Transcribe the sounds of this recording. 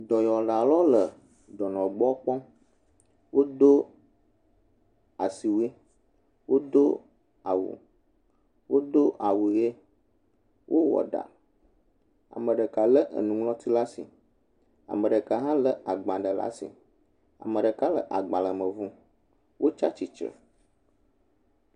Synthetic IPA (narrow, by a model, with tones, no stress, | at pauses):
d̪ɔ˨jɔ˨la˨lɔ˦lə˨ | ɖɔ˨nɔ̃˨ɡ͡bɔ˦k͡pɔ̃˦ | wo˦d̪o˦ | a˨si˨wi˦ | wo˦d̪o˦ | a˨wṵ˨ | wo˦d̪o˦ʔa˨wu˨je˦ | wʔo˦wɔ̰˨ɖa̰˨ | a̰˨mə̃˨ɖə˨ka˨lə˦ʔə̰˨nũ˨ŋlɔ̃˦t̪ʰi˦la˦si˨ | a̰˨mə̃˨ɖə˨ka˨ɦã˦lə˦a˨ɡ͡bã˨ɖə˨la̰˦sḭ˨ | a̰˨mə̃˨ɖə˨ka˦lə̰˨ʔa˨ɡ͡ba˨lə˨mə̃˨vũ˦ | wʔo˦t͡ʃa˦t͡ʃi˨t͡ʃə̰˨